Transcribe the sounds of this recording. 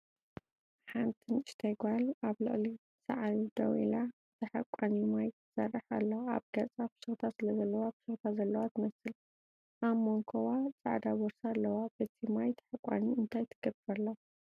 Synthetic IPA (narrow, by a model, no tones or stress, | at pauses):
ħant̪ʰɨnɨʃt̪ʰɐjɡʷalaβlɨ̰ʔʼli | sa̰ʕalid̪ɐwḭla | t̪ʰɐħakʷʼːanimajt̪ʰɨsɐrːɨħalːɐwa̰βɡɐt͡sʼabɨ̥sɨt̪ʰasɨlɐzɐlːɐwabɨ̥sɨt̪ʰazɐlːɐwat̪ʰɨmɐsɨl | ʔaβmoŋkʰowat͡sʼaʕd̪aβɔɾsalːɐwabɐt̪ʰimajt̪ʰɐ̥ħakʷʼːa̰niɨnt̪ʰajt̪ʰɨɡ̥ɐbɾɐlːɐ